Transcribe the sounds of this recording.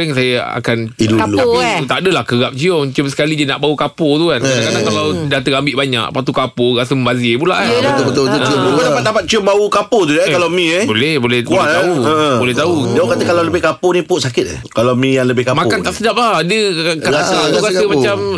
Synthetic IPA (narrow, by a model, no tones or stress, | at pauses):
ɾəŋsajaa̰kaniualaiut̪aʔdəlahkəɣap̚t͡ʃiɔmt͡ʃɔmsə̥kalidəna̰ʔbaukapot̪ukankadakadaŋkalawdat̪əambɪʔbaɲa̰kpat̪ukapoɣasəməmbazibula̰ʔət̪obət̪obət̪ubukud̪apat̪̚d̪apat̪̚t͡ʃiɔmbaukapot̪ujakalamĩebolɛhbolɛhaauə̃bolɛht̪audokat̪əkalawləbɪhkaponĩpʊʔsakɪt̪ɛ̰ | kalamĩjaŋləbɪhkamakant̪aʔsədap̚lahadəkaasat̪uɾasəmat͡ʃam